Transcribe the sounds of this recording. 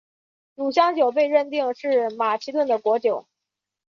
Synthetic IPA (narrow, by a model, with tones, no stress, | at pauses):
lu˨˩ɕjɑ˥ŋt͡ɕjo˨˩ʊp̬e˥˧ɪɻə˥˧nt̪i˥˩ŋʂɻ̩˥˩ma˨˩t͡ɕʰi˧˥t̪wə˥˩nd̪ə˩kwɔ˧˥t͡ɕjo˨˩˦ʊ